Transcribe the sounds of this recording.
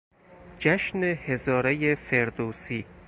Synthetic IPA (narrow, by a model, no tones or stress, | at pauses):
d͡ʒæʃnehezɒːɾejefeɾd̪oːsiː